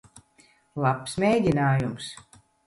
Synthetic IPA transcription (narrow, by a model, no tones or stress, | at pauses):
lˠapsmʲejɡʲinaːjums